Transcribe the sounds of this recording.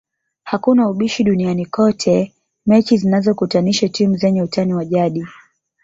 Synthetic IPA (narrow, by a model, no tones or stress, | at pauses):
hakunauɓiʃiɗunianikɔtʰɛ | mɛt͡ʃizinazɔkutaniʃatimuzɛɲɛutaniwaʄaɗi